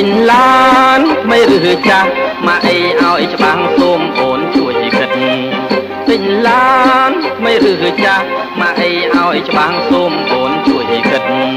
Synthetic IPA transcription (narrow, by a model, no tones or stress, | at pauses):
tɨɲlant̪ʰməjrɨːɦɨːt͡ɕamaːʔəjʔaɔjt͡ɕə̆ɓaːŋsoːmʔoːnt͡ɕuəjʔəːkɨt̪̚n | t̪ɨɲlaːnt̪ʰməjrɨːɦɨːt͡ɕah | maːʔəjʔaɔjt͡ɕə̆ɓaːŋsoːmʔoːnt͡ɕuəjʔikɨt̪̚